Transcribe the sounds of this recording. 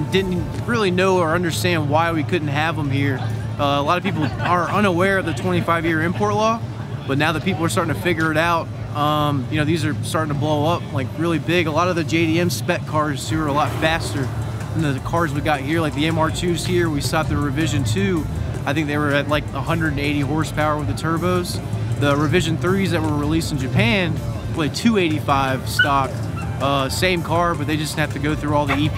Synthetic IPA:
dɪdⁿn̩ | ɹɪlˠinoʊə˞ʌ̃ndə˞stæ̃nd̚waɪwikʰʊdⁿn̩t̚ɦɨvə̃mhiɹʌəlɑɾʌv̥pipl̩ˠə˞ʔʌ̃ɾ̃əwɛɹʌvðɨtʰw̥ɛ̃ɾ̃ifaɪvjɪɹɨ̃mpʰɔɹtˡlɔ | b̥ʌtⁿnaʊðɨt̚pipl̩ˠə˞stɑɹɾɪ̃ŋtʰɨfɪɡjə˞ɨɾaʊt̚ | ʔʌ̃mjɨñoʊðizə˞stɑɹɾɪ̃ŋtʰəbloʊʌp̚laɪkɹɪlˠibɪɡəlɔɾʌvðɨd͡ʒeɪɾiɛ̃mspɛt̚kʰɑɹz̥tʰʉə˞əlɔtfæstə˞ | ðɨ̃n̩ðɨkʰɑɹzwiɡɑt̚hiɹlaɪk̚ðiɛ̃mɑɹtʰʉz̥hiɹwistɑp̚ðɨɹɨvɪʒɨ̃ntʰʉ | aɪθɪ̃ŋk̚ðeɪwə˞ɨtˡlaɪkəhʌ̃ndɹɨɾneɪɾiɦɔɹspʰaʊə˞wɨðɨtʰɜ˞boʊz̥ | ðəɹɨvɪʒɨ̃nθɹizðɨt̚wə˞ɹilistn̩d͡ʒɨpʰæ̃n | pʰl̥eɪtʰʉeɪɾifaɪv̥stɑk | ʌsẽɪ̃mkʰɑɹbʌt̪̚ðeɪd͡ʒʌst̚hæftɨɡoʊθɹʉɔlˠðii

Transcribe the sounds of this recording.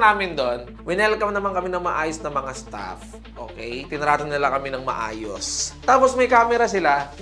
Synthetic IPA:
naːmɪnd̪o̞n | wɪnɛlkːɐmnɐmankɐmɪnɐŋmɐʔaːjosnɐmɐŋast̪a̰f | ʔo̰ːkɛjt̪ɪnɐɾaːt̪ɐnnɪlakɐmɪnɐŋmɐ̰ʔa̰ːjo̰st̪aːposmɐjkaːmɛɾɐsɪla

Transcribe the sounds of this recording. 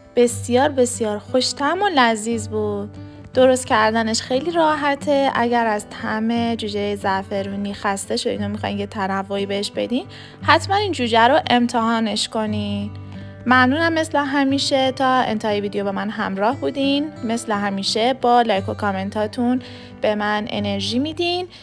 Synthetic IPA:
b̥e̞sijɒːɾbe̞sjɒːɾxo̞ʃt̪ʰæmolæziːzbuːd̪̥̚ː | o̞ɾo̞st̪̚cæɾd̪æne̞ʃxe̞jliːɾɒːɦæt̪ʰeʔæ̰ɟæɾæzt̪ʰæmed͡ʒuːd͡ʒejezæfe̞ɾuniːxæst̪e̞ʃod̪iːnɑːmixɒːjnjet̪ʰænævːo̞iːbe̞heʃbe̞d̪iːn | hæt̪ʰmænind͡ʒuːd͡ʒæɾoʔe̞mt̪ʰehɒːne̞ʃko̞ni | mæmnuːnæmːe̞sleɦæmiːʃe̞t̪ʰɒːḛnt̪ʰehɑːjeviːd̪ejobemænɦæmɾɒːhbuːd̪inme̞sleɦæmiːʃe̞bɒːlɒjkʰokʰɒme̞nt̪ʰɒːt̪ʰun | b̥e̞mænḛne̞ɾʒiːmiːd̪in

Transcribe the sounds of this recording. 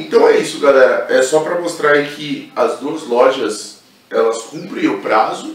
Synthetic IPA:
ẽt̪ɐ̃w̃ɛisʊɡalɛɾɐʔɛsɔpɾɐmost̪ɾaikʰɪɐzd̪uɐzlɔʒɐs | ɛlɐskũmpɾẽj̃ʊpɾazʊ

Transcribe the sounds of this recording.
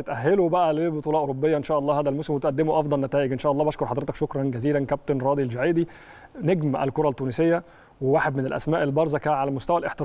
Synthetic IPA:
et̪ʔæɦːelobæʔælebot̪ˤuːlɑːʔoɾobːejːæʔenʃæːʔɑlˤːɑːhæːd̪ælmosemwet̪ʔæd̪ːemoʔɑfd̪ˤɑlnæt̪æːʔeɡʔenʃæːʔɑlˤːbæʃkoɾˤħɑd̪ɾet̪ɑkʃokɾˤɑnɡæziːlænkæp̚t̪onɾˤɑːd̪ild͡ʒaʕiːd̪i | neɡmæʔæ̰lkoɾˤɑlt̪ːuːnesejːæ | wewaːħed̪menelʔæ̰smæːʔelbɑɾˤzˤɑkæʕalæmost̪æwælʔeħt̪e

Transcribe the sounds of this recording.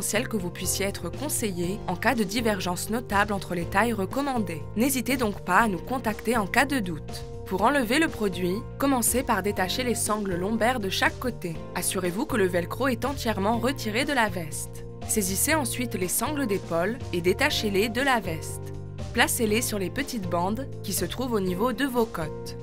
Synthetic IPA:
sjɛlkəvupɥisjeɛt̪χəkɔ̃sejeɑ̃kad̪əd̪ivɛʁʒɑ̃snɔt̪ablɑ̃t̪χəlet̪ajʁəkɔmɑ̃d̪e | nezit̪ed̪ɔ̃kpaːnukɔ̃t̪akt̪eɑ̃kad̪əd̪ut̪ | puʁɑ̃ləveləpχɔd̪ɥikɔmɑ̃sepaʁd̪et̪aʃelesɑ̃ɡləlɔ̃bɛʁd̪əʃakːot̪e | asyʁevukələvɛlkχoɛt̪ɑ̃t̪jɛʁmɑ̃ʁət̪iʁed̪əlavɛst̪ | seziseɑ̃sɥit̪lesɑ̃ɡləd̪epɔled̪et̪aʃeled̪əlavɛst̪ | plaselesyʁlepət̪it̪bɑ̃d̪ | kʲisət̪χuvonivod̪əvokɔt̪

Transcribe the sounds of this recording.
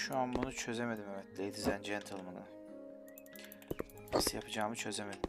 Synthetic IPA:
ʃuanbunut͡ʃʰø̞ze̞me̞d̪imemɛt̪lʲejd̪izænd͡ʒɛnt̪ʰɯlˠmɯnɯ̰ | isɯjapʰɯd͡ʒaːmɯt͡ʃʰø̞zeme̞d̪i

